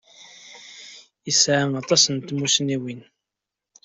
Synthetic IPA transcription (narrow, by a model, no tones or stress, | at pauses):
isʕanɑt̪ˤɑsənt̪musniwin